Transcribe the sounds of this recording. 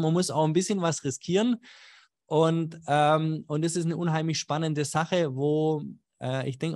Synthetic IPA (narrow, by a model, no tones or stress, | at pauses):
manmʊsa̰ʊxn̩bɪsçənvasʁɪskʰiːʁən | ʔʊntʔɛːmʊntd̥asɪstnəʔʊnɦaɪmlɪçʃpanəndəzaχəvoː | ʔɛːʔɪ̰çd̥ɛŋk